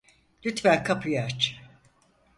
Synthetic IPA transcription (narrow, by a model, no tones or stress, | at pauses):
lʲyt̪fæɾkʰapʰijaɾt͡ʃ